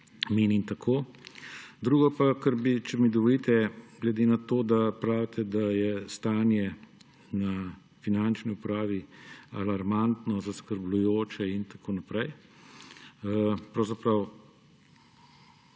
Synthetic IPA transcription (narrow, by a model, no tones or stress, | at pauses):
meːnimt̪akʰoː | d̪ɾuːɡɔpakəɾbit͡ʃɛmid̪ɔʋɔlit̪ɛɡlɛd̪eːnat̪oːd̪apɾaːwt̪ʰɛd̪ajɛst̪aːnjɛ | na | finant͡ʃniupɾaːʋialaɾmant̪nɔzaskəɾblujoːt͡ʃɛint̪akʰoːnapɾɛj | pɾɐwzapɾɐw